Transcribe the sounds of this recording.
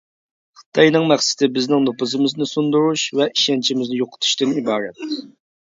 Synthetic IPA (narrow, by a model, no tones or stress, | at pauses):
χɨ̥t̪ʰɑjnɨŋmɛχsɪ̥t̪ɪbɪznɪŋnopɨzɨmɪznɨsund̪uɾuʃvɛʔiʃɛnt͡ʃʰimɪznɪjoqʰə̥t̪ʰu̥ʃt̪ɨnibɑːɾɛt̪